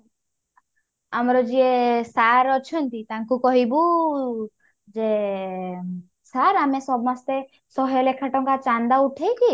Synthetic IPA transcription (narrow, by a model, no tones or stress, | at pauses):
amɾɔd͡ʒiesaɾɔt͡ʃʰɔnt̪it̪aŋkukɔɦibu | d͡ʒe | saɾamesɔbmast̪e | sɔɦjɔlekʰaʈɔŋkat͡ʃand̪auʈʰejki